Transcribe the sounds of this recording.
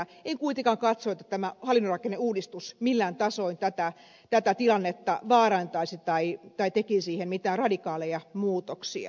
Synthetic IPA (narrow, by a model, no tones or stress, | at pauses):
eŋkuit̪eŋkɑŋkɑt̪soet̪ːæt̪æmæhɑlːˑinːorɑkenːeuːdist̪usmilːæːnt̪ɑsoint̪æt̪æ | t̪æt̪æt̪ilɑnːet̪ːɑʋɑːɾɑnt̪ɑisit̪ɑit̪ɑit̪ekisiːhemmit̪æːrɑdikɑːlejɑmuːt̪oksḭɑ̰